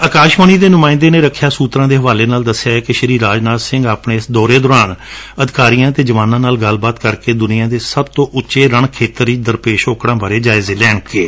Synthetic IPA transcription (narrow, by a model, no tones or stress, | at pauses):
əkaːʃməniːd̪eːnʊmaːɪ̃nd̪eːneːɾəkʰːjaːsuːt̪ɾãːd̪eːɦəʋaːleːnaːld̪əsːejaːɛkɪʃəɾiːɾaːd͡ʒnaːd̪sɪ̃ŋɡaːpɳeːɪsd̪ɔːɾeːd̪ɔːɾaːn | əd̪ɪkaːɾijãːt̪eːd͡ʒəʋaːnãːnaːlɡəlbaːt̪kəɾkeːd̪ʊnɪjãːd̪eːsəbt̪õːʔʊt͡ʃeːɾəɳkʰeːt̪əɾiːd̪əɾpeːʃoːkɽãːbəɾeːd͡ʒaːɪzeːlɛːɳkeː